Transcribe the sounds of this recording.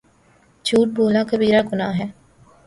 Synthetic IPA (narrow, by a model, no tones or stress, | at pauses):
t͡ʃuːʈ̚bʱoːlakəbiːɾaːɡʊnaːɦɛː